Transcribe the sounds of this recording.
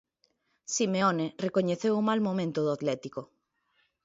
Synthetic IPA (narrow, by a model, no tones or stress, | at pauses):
simeonerekoɲeθewumalmomẽnt̪oðoat̪lɛt̪iko